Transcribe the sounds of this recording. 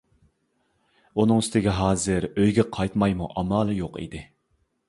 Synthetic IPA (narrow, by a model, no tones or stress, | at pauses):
unɨŋst̪ɪɡʲɛɦɑːzɨɾøjɡʲɛqʰɑjt̪mɑjmuʔɑmɑːlˠɨjoqʰḭd̪ɪ